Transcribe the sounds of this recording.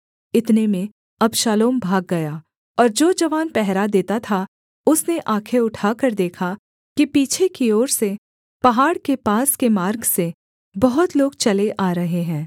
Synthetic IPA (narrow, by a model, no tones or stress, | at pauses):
ɪt̪nemẽ | ɐbʃaːloːmbʱaːɡːɐjaː | ɔːɾd͡ʒoːd͡ʒɐʋaːnpɛɦɾad̪eːt̪at̪ʰa | ʊsneʔaːkʰeʊʈʰaːkɐɾd̪eːkʰa | kipiːt͡ʃʰekioːɾse | pɐɦaːɽkepaːskemaːɾɡse | bɐɦʊt̪loːɡt͡ʃɐleʔaːɾɐɦeɦɛ̃ː